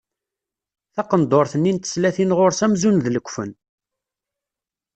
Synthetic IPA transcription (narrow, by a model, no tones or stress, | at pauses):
θɑqənd̪oɾθənːint̪ə̥slæθinʁoɾsæmzunðləkʷːfən